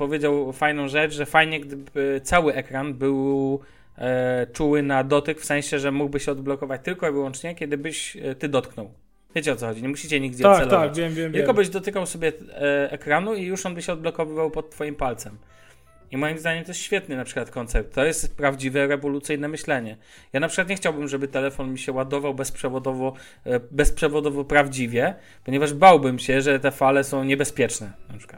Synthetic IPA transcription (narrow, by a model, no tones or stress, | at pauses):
pɔvʲjed͡ʑawfajnɔ̃w̃ʐɛt͡ʂʐɛfajɲɛɡd̪ɘbɘt̪sawɘʔɛkɾanbɘw | t͡ʂuwɘnad̪ɔt̪ɘkfsɛ̃ɕɛʐɛmuɡ̚bɘɕɛɔd̪̚blɔkɔvat͡ɕt̪ɘlkɔivɘwɔnt͡ʂɲɛkʲɛd̪ɘbɘɕt̪ɘd̪ɔt̪knɔw | vʲjet͡ɕɛɔt̪sɔxɔd͡ʑiɲɛmuɕit͡ɕɛɲiɡd͡ʑɛɔassɛlɔaat͡ɕvʲjɛmvʲjɛmvt̪kɔbɘʑd̪ɔt̪ɘkawsɔbʲjɛɛkɾanuijuʂɔnbɘɕɛɔd̪̚blɔkɔvɘvawpɔt̪tːfɔjimpalt̪sɛm | imɔjimzd̪aɲɛmt̪ɔjɛsɕfʲjɛt̪nɘnapʂɘ̥kwat̪̚kɔnt̪sɛp̚t̪ːɔjɛst̪pɾavd͡ʑivɛɾɛvɔlut̪sɘjnɛmɘɕlɛɲɛ | janapʂɨkwat̪ɲɛxt͡ɕawbɘmʐɛbɘt̪ɛlɛfɔnmʲiɕɛwad̪ɔvawbɛspʂɛvɔd̪ɔvɔ | bɛspʂɛvɔd̪ɔvɔpɾavd͡ʑivʲjɛ | pɔɲɛvaʐbawbɘmɕɛʐɛt̪ɛfalɛsɔ̃w̃ɲɛbɛspʲjɛt͡ʂnɛnapʂɘ̥kwat̪